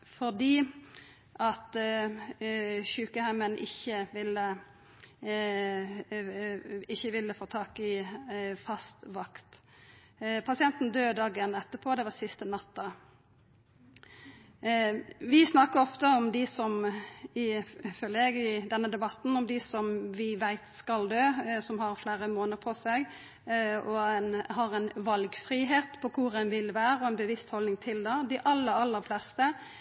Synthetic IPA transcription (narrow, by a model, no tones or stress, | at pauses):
fɔʁd̪iː | ʔɑt̪ | çʉːkəhæɪmənʔɪçːəʋɪlːə | ɪçːəʋɪlːəfoːt̪ʰɑːkɪ | fɑst̪ʋɑkt̪ | pʰɑsɪɛnt̪n̩d̪øːd̪ɑːɡənɛt̪ːəpʰoːd̪ɛʋɑsɪst̪ənɑt̪ːə | ʋɪsnɑkːəɾɔft̪əɔmd̪ɪsɔmɪfœlːəɾɛɡɪd̪ɛnːəd̪ɛbɑt̪ːn̩ɔmd̪ɪsɔmʋɪʋæɪt̪skɑld̪øːsɔmɦɑɾflæːɾəmoːnəɾpʰɔsɛɡ | ɔɛnhɑɾɛnʋɑlɡfɾiːɦeːt̪pʰɔkʰʊɾɛnʋɪlʋæːɾəɔɛnbəʋɪst̪hɔlnɪŋt̪ʰɪld̪ɛd̪ɪʔɑlːəɾɑlːəɾflɛst̪ə